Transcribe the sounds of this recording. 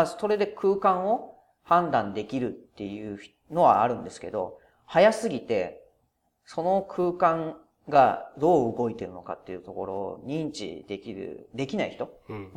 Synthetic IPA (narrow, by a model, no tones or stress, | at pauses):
so̞ɾe̞d̪e̞kʰɯ̟ːkãɰ̃o̞ | hãnd̪ãnd̪e̞kʲiɾɯ̟t̪ːe̞jɯ̟̥ː | no̞βa̰ːɾɯ̟̃nd̪e̞sɨ̥ke̞̰d̪o̞̰ | hajasɨɡʲit̪e̞ | so̞no̞kʰɯ̟ːkãŋ | ɡad̪o̞ːɯɡo̞it̪e̞ɾɯ̟no̞ka̰t̪ːe̞iɯ̟t̪o̞ko̞ɾo̞̰ːɲ̟ĩɲt͡ɕḭd̪ekʲiɾɯ̟̰d̪e̞kʲinaiçi̥t̪o̞